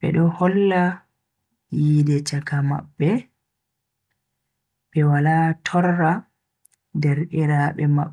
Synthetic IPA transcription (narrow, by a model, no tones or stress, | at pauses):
bɛ̰ɗɔhɔlːa | jiːdɛt͡ʃakama̰ɓːɛ | ɓɛwalaːtʰɔrːa | dɛɾʔiɾaɓɛma̰ɓːɛ